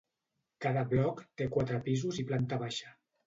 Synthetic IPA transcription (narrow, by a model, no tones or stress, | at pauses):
kaðəβlɔkt̪ekwat̪ɾəpizuziplant̪əβaʃə